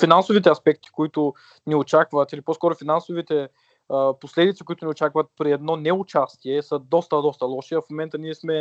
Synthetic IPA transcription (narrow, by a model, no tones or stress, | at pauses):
finansʊvit̪ɛɐspɛk̚t̪i̥koit̪ʊ | niot͡ʃakvət̪iliposkɔɾʊfinansʊvit̪ɛ | əposlɛd̪it̪si̥kʊit̪ʊniot͡ʃakvət̪̚pɾiɛd̪nɔnɛʊt͡ʃast̪iɛsəd̪ɔst̪əd̪ɔst̪əlˠɔʃiɐfmomɛnt̪əniɛsmɛ